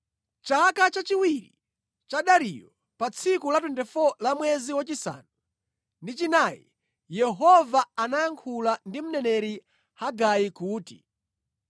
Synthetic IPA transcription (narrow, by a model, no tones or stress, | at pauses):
t͡ʃakat͡ʃat͡ʃiwiɾi | t͡ʃaɗaɾijɔ | pat͡sʰikulat̬wɛndɛfɔlamwɛziwat͡ʃisa̰ːnu | ndit͡ʃinajḭ | jɛɦɔvaanajaŋkʰulandim̩nɛnɛɾi | haɡajikuːti